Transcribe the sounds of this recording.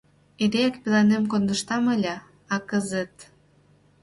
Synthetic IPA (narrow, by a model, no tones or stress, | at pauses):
eɾeækpelɑnemkond̪ə̆ʃt̪ɑməlʲɑː | kəzet̪